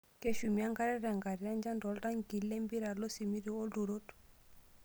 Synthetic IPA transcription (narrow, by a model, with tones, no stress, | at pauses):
ke˦ʃu˨mi˨a˦ŋɡa˦ɾɛ˦ɾa˨ŋɡa˨ɾi˨a˦nd͡ʒa˦ndɔ˨lda˦ŋɡi˨lːe˦mbi˦ɾa˨lo˦si˨mi˦ɾi˨o˦do˨ɾo˦t